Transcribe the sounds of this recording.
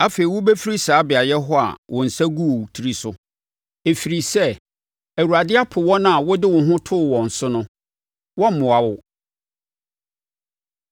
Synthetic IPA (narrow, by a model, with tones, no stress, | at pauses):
a˦fe˨i˨wʊ˦be˦fi˦ɾi˦saː˨˦bɪ˨a˨jɛ˦ɦɔ˦a̰˨wʔɔ̃˨n̩˨sæ˦ɡu˦˨tʰi˨ɾi˦sʊ˦ | e˨fi˨ɾi˨sɛ˦˨ | æ˨wu˨ɾa˨dɪ˦a˦pʰʊ˨wɔ˦nã˦˨a˨wɔ˦dɪ˦wʊ̃˨ɦʊ̃˦tʰʊ˦˨wɔ̃˨n̩˨sʊ˦nʊ̃˦ | wɔ̃˦m̩˦mʊ̃˨a˨wʊ˦